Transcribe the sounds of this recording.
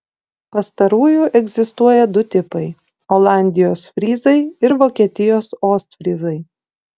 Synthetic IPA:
pɐst̪ɐɾuːjuːʔɛɡzʲɪst̪uɔjɛd̪ʊt̪ʲɪpɐɪ | oːlˠɑˑnʲd̪ʲɪjoːsfʲɾʲiːzɐɪɪɾʋoːkʲiɛt̪ʲɪjoːsoːst̪fʲɾʲizɐɪ

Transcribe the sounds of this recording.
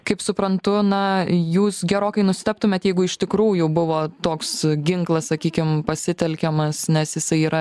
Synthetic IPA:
kɐɪpsʊpɾɐnt̪ʊnɐjuːsɡʲɛɾoːkɐɪnʊsʲɪ̥t̪ɛp̚t̪ʊmʲeːt̪jɛɪɡʊɪʃt̪ʲɪkɾuːjʊbʊʋoːt̪oːksɡʲɪŋklˠɐssɐkʲiːkʲɪmpɐsʲɪt̪ʲɛlʲkʲɛmɐsnʲɛsjɪsɐɪiːɾɐ

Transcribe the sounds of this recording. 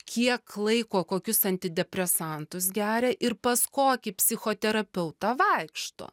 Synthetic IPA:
kʲiɛklˠɐɪkoːkoːkʲʊsɐnʲt̪ʲɪd̪ʲɛpʲɾʲɛsɐnt̪ʊs̬ɡʲæːɾʲɛʔɪɾpɐskoːkʲɪpʲsʲɪxoːt̪ʲɛɾɐpʲɛʊt̪ɑʋɐɪkʃt̪o̰ː

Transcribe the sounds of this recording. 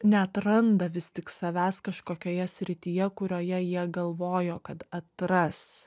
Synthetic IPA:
nʲɛɐt̪ɾɐnd̪ɐʋʲɪst̪ʲɪksɐʋʲæːskɐʃkoːkʲoːjɛsʲɾʲɪt̪ʲijɛkʊɾʲoːjɛjiɛɡɐlˠʋoːjoːkɐt̪ɐt̪ɾɐs

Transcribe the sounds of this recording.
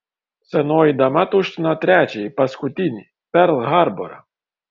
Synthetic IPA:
sɛnɔjid̪ɐmat̪uʃt̪ɪnɐt̪ɾʲæt͡ʃʲɛjpɐskʊt̪ʲinʲi | pɛɾlˠɦaɾbɔɾɐ̰

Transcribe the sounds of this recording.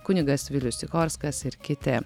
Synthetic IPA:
kʊnʲɪɡɐsʋʲɪlʲʊsʲɪkɔɾskɐsɪɾkʲɪt̪ʲɛ

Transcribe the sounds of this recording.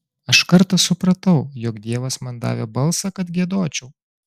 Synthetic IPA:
ɐʃkɐɾt̪ɐsʊpɾɐt̪ɐʊjoːkd̪ʲiɛʋɐsmɐnd̪ɑ̰ːʋʲebɐlˠsɐkɐt̪ɡʲiɛd̪oːt͡ʃʲɛʊ

